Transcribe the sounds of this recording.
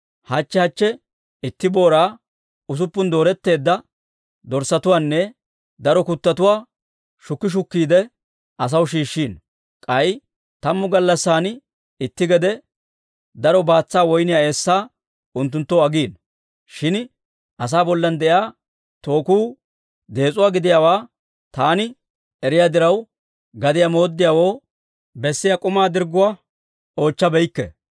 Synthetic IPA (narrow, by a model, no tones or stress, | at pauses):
hɐt͡ʃːɛhɐt͡ʃːɛ | ɪt̪ːɪbo̞ːɾaː | ʊs̬ʊpːʊnd̪o̞ːɾɛt̪ːe̞ːd̪ːɐ | d̪ɔɾsɐt̪ʊwaːnːɛ | d̪ɐɾɔkʊt̪ːɐt̪ʊwaː | ʃʊkːɪʃ̬ʊkːiːd̪ɛ | ɐs̬ɐwʃiːʃːiːn | kʼɐj | t̪ɐmːʊɡɐlːɐsːaːn | ɪt̪ːɪɡɛd̪ɛ | d̪ɐɾɔbaːt͡sːaːwɔjnɪjae̞ːsːaː | ʊnt̪ːʊnt̪ːɔwɐɡiːn | ʃɪn | ʔɐs̬aːbɔlːɐnd̪ɛʔjaː | t̪o̞ːkuː | d̪e̞ːt͡sʼʊwaːɡɪd̪ɪjaːwaː | t̪aːnɪ | ɛɾɪjaːd̪ɪɾɐw | ɡɐd̪ɪjamo̞ːd̪ːɪjaːwo̞ː | bɛsːɪjakʼʊmaːd̪ɪɾɡːʊwa | o̞ːt͡ʃːɐbɛjkːɛ̰